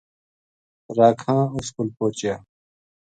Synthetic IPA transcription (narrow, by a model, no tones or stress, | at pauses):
ɾaːkʰãːuskulpoːt͡ɕjaː